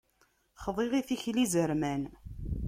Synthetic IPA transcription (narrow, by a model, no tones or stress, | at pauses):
χðˤeʁiθiçlizəɾmæn